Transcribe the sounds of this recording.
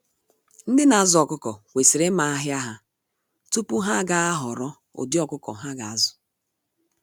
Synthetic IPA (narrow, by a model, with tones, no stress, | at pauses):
n̩˦dɪ˦na˨a˨zɔ˨kʊ˦kɔ˨wʷe˨sɪ˨ɾɪ˦ma˨a˦ɦja˦ɦa˦ | tu˦pu˦ɦa˦ɡa˨a˦ɦɔ˨ɾɔ˦ | o̰˨dɪ˦ɔ˦kʊ˦kɔ̰˨ɦa˦ɡa˨a˨zʊ̥˨